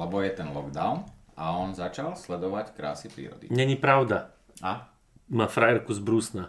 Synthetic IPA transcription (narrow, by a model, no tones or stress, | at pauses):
lɛbɔjɛt̪ɛnlɔɡd̪aʊn | ʔaɔnzat͡ʃalslɛd̪ɔʋackɾa̰ːsipɾḭːɾɔ̰d̪ḭɲɛɲipɾaʊd̪a | a | maːfɾajɛɾkuzbɾuːsna